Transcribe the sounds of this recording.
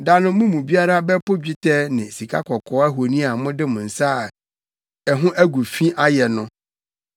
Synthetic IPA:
da˦nʊ̃˦mũ˦mũ˨bi˦a˦ɾa˦bɛ˦pʊ˦d͡ʑᶣi˦tʰɛ˦nɪ̃˨si˨kʰa˦kʰɔ˨kʰɔ˦æ˦ɦo˨nĩ˦a˨mʊ̃˦dɪ˦mʊ̃˨n̩˨sa˦˨ | ɛ˨ɦʊ̃˦ʔæ˦ɡu˨fĩ˦ʔa˦jɛ˨nʊ̃˦

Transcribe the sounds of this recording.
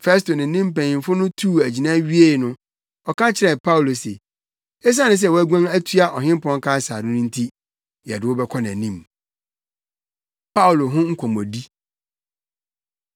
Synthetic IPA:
fɛ˦s̬to˨nɪ̃˨n̩˦nĩ˦m˦pæ̃˨ĩ˨n˨fʊ˦nʊ̃˦tʰuː˦˨æ˨d͡ʑi˨nã˦ɥi˦e˦˨nʊ̃˦ | ɔ˨kʰã˦t͡ɕʰɪ˨ɾɛ˨pʰa˦wlo˨sḛ˨ | ɛ˦s̬a˦nʊ̃˦s̬ɛ˦˨wɔ˦æ˦ɡʷã˦ŋæ˦tʰɥa˦ʔɔ˨ɦɪ̃˦m˦pɔ̃˦ŋ˦kʰa˦˨saː˨dɪ̃˦nʊ̃˦n̩˦tʰi˦ | jɛ˨dɪ˨wɔ˦bɛ˦kʰɔ˦n˨æ̃˨nĩ˦˨m | pʰa˦ʊ˨lo˨ɦʊ̃˦ŋ̩˦kʷʰɔ̃˨mɔ̃˨di˦

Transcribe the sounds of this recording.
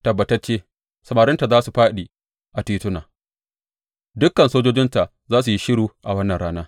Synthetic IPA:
tɐ˨bːɐ˨tɐ˦rt͡ʃeː˦ | sɐ˨maː˨ɾɪ˦nta˨zaː˦su˨ɸaː˦ɗi˨ | ʔa˨tiː˦tʊ˦naː˨ | dʊ˦kːɐ˨nsoː˦d͡ʒoː˦d͡ʒɪ˦nta˨ʔ | zaː˦s̬u˨ji˦ʃɪ˦ɽuː˦ʔa˨wɐ˦nːɐ˨nɽaː˦naː˦

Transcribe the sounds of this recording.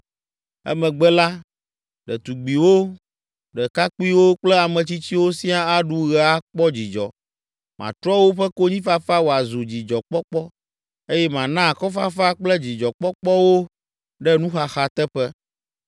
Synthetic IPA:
ɛ̰˦mɛ̃˨ɡ͡bɛ˦la˦ | ɖɛ˨t̪u˨ɡ͡bi˨wo˦ | ɖɛ˨ka˦k͡pu˦i˦wo˦k͡plɛ˦a˨mɛ̃˨t͡ɕi˦t͡ɕi˦wo˦si˦a˦a˦ɖu˦ɣɛ˨a˦k͡pɔ˦d͡ʑi˨d͡ʒɔ̰˨ | mã̰˨t̪ɾɔ˦wo˦ɸɛ˦ko˦ɲĩ˦fa˦fa˦wo˨a˨zu˨d͡ʑi˨d͡ʒɔ˨k͡pɔ˦k͡pɔ˦ | e˦jɛ˦mã˨nã˦˨kɔ˦fa˦fa˦k͡plɛ˦d͡ʑi˨d͡ʒɔ˨k͡pɔ˦k͡pɔ˦wo˦ | ɖɛ˦nũ˦xa˨xa˨t̪ɛ˦ɸɛ˦

